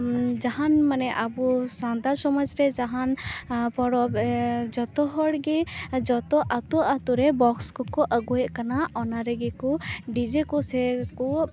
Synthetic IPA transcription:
d͡ʒaɦanmɐnɛʔabusand̪aɾsɔməd͡ʒɾɛd͡ʒaɦanpɔɽɔbd͡ʒɔt̪ɔɦɔɽɡed͡ʒɔt̪ɔʔɐt̪uʔat̪uɾɛbɔkskɔkɔʔəɡuɛʔkɐnaʔɔnaɾɛɡekɔɖid͡ʒikɔsɛkɔ

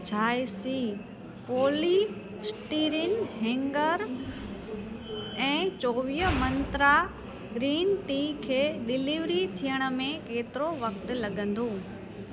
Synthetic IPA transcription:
t͡ɕʰaːjsi | poːli | sʈiːɾɪnɦɛ̃ːŋɡəɾ | ɛ̃ːt͡ɕoːʋiːəmɐ̃nt̪ɾa | ɡɾiːnʈiːkʰeːɗɪliʋɾit̪ʰijəɽ̃ə̆mẽkeːt̪ɪɾoʋɐk̚t̪̆lɐɠə̃nd̪oː

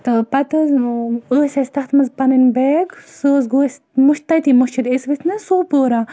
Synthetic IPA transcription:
t̪ɐpɐt̪ɐzəːsʲɐsʲt̪ɐxt̪mɐzpɐnɐnbeːɡsoːzɡoːsʲ | muʃt̪ːɐjt̪imuʃt͡ʃid̪esʋit̪ʰnɨsoːpoːɾa

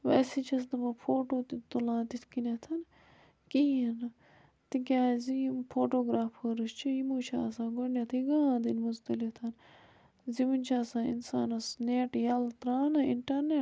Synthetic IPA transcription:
ʋɐsit͡ʃʰɐs̬d̪ɐmɐpʰoːʈoːt̪it̪ulãːt̪it̪ʰkinet̪ʰɐn | kiɐnɐ | t̪ikʲaːzimpʰoːʈoːɡɾaːfhəɾɨst͡ʃʰijimuːt͡ʃʰaːsãːɡoɳjat̪ʰiɡãːd̪inmuzt̪ɐlit̪ʰɐn | zimint͡ʃʰaːsãːḭnsaːnɐsneːʈjɐlt̪ɾaːnɐiɳʈɐɾneʈ

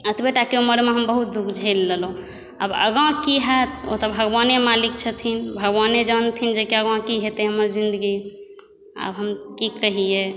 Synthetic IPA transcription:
ət̪beʈakeuməɾmeɦəmbəɦut̪̚d̪ukʰd͡ʒʱəjlːəlõ | a̰bə̰ɡãkiɦət̪o̰t̪ɔbʱəɡbanemalikt͡ʃʰət̪ʰinbʱəɡbaned͡ʒant̪ʰind͡ʒekeəɡãkiɦet̪eɦəməɾd͡ʒind̪əɡi | a̰bɦəmkikəɦije

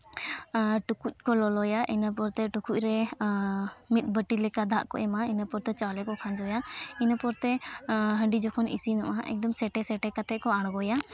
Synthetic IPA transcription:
ʈukuc̚kɔlɔlɔjaʔinap̬ɔɾt̪ɛʈukuc̚ɾɛ | mit̪̚ˀbəʈilɛkad̪ʱa̰ʔkɔ̰ʔɛmainapɔɾt̪ɛt͡ʃalɛkɔkʰand͡ʒɔjainapɔɾt̪ɛɦəɳɖid͡ʒɔkʰɔnḭsinɔʔaʔɛ̰k̚d̪ɔmsɛʈɛsɛʈɛkat̪ɛʔkɔaɽ̃ɡɔja

